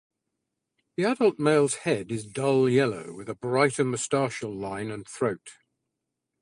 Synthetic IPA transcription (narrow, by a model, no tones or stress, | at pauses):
ðiadəlˠʔmeɪlˠz̥hɛdɪzdʌlˠjɛloʊwɪðəbɹaɪtəməstɑˑʃəlˠlãɪ̃nə̃nθɹəʊt